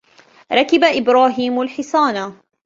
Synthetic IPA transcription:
ɾˤɑkɪbaʔɪbɾɑːɦiːmalħɪsaːna

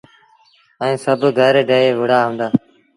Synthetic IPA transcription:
əĩːsəbɡʱəːɾeːɖeːeːʋəɽaːɦõːnd̪aː

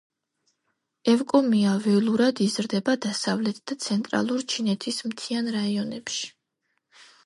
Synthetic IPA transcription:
ɛvkʼɔmiavɛlˠuɾad̪izɾd̪ɛbad̪asavlɛt̪ʰd̪̥at̪sʰɛnt̪ʼɾa̰lˠuɾt͡ʃʰinɛt̪ʰismt̪ʰianɾaiɔnɛpʃi̥

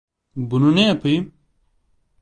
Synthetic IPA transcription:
bununepʰəj

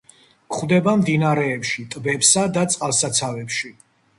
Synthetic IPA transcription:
kχwd̪ɛbamd̪inaɾɛːpʃit̪ʼbɛpsad̪at̪sʼqʼalˠsat̪sʰavɛpʃi

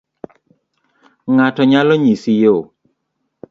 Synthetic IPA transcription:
ŋatɔɲalɔɲisijo

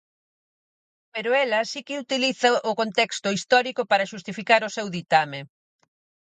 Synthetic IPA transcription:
peɾʊɛlɐsikɪut̪iliθɐʔʊkont̪ɛkst̪ʊist̪ɔɾikopaɾɐʃust̪ifikaɾʊsewðit̪ame

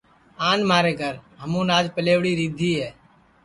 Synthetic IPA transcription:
aːnmaːɾeːɡʱəɾɦəmũːnaːd͡ʒpəleːʋɽiːɾiːd̪ʱiːɦɛː

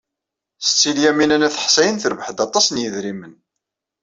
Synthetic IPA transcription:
sət͡sːiljæminænæθə̥ħsæjənθəɾvəħd̪ɑt̪ˤːɑsnjəðɾimən

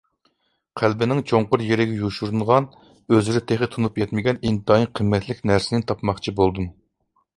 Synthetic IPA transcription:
qʰælbɪnɪŋt͡ʃʰoɴqʊɾjeɾɪɡʲɛjuʃuɾuɴʁɑn | øzɪɾɪt̪ʰeχɪt̪ʰunupjɛt̪mɪɡʲɛnind̪ɑiqʰəmːɛt̪ʰlɪkʲnæɾsɪnɪt̪ʰɑpmɑχt͡ʃʰibolˠd̪um

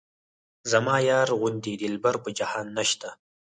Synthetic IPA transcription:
zamɑːjɑːɾʁʊnd̪id̪ilbaɾpəd͡ʒahɑːnːaʃt̪a

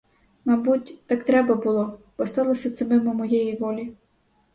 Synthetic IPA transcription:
mɐbutʲt̪ɑkt̪ɾɛbɐbʊlˠɔb̥ɔst̪ɑlˠɔsʲɐt̪sɛmɪmɔmɔjɛjiʋɔlʲi

